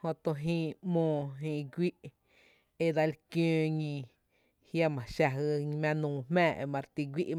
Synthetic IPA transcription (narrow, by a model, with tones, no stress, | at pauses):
hõ˧t̪õ˧ɦĩː˧ʔmõː˧˨ɦĩː˧ʔɡʷi˦ʔ | e˧d̪a˧lkjõː˦˧ɲĩ˧ | hja˧mã˨ʃa˧ɦɨ˧mã˧nũː˨m̥mɛ̃ː˦˨ʔḛ˧mã˧ɾt̪i˧ɡʷi˦ʔ